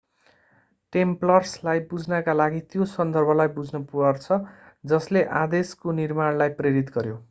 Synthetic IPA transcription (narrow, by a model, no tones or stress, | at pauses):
ʈemplʌrslajbud͡zʱnʌkalaɡit̪josʌnd̪ʌrbʱʌlajbud͡znʌpuʌrt͡sʰʌ | d͡zʌsleʔad̪eskonirmaɽlajpreɾit̪ɡʌɾjo